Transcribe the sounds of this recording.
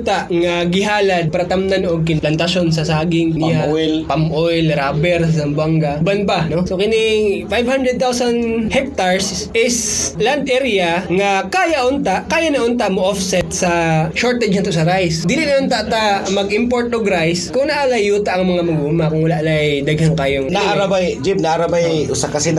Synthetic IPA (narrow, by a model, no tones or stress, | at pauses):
t̪aʔŋɐɡɪɦaːlɐd̪̚paɾɐt̪amnanoɡ̚kɪnplɐnt̪ɐʃons̬ɐsaːɡɪŋnɪjajlpamʔojlɾaːbɛɾsɐs̬ɐmbaŋɡɐbɐnbanosokɪnɪŋfajvhand̪ɾɛd̪̚t̪awsɐnhɛk̚t̪aɹs | ʔɪsland̪ʔɛɾɪɐŋɐkaːjɐʔʔʊnt̪aʔkaːjɐnɐʔʊnt̪amoʔofsɛt̪sɐʃoɹt̪ɛd͡ʒɐnt̪ʊsɐɾajsd̪iːlɪnɐʔʊnt̪aʔt̪ɐmɐɡɪmpoɹt̪̚oɡɾajskʊŋnɐʔalɐjuːt̪aʔɐŋmɐŋamɐɡuːmakʊŋwɐlaʔlajd̪ɐɡhɐŋkaːjoŋnaaɾabajd͡ʒib̚nɐʔaɾɐbajʔʊsakɐsɛn